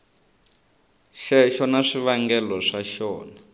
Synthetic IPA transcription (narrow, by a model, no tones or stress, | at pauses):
ʃɛʃɔnaʂiβaŋɡɛlɔʂaʃɔːna